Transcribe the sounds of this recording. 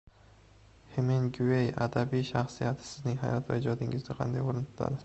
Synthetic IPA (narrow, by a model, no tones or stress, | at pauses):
hemenɡuejad̪abijʃaχsijat̪ʰɪ̥sɪznɪŋɦa̰jɒt̪va̰ɪd͡ʒɒd̪ɪŋɪzd̪ɪqʰɑ̰nd̪ajoɾɪnt̪ʰʊ̥t̪ʰa̰d̪ɪ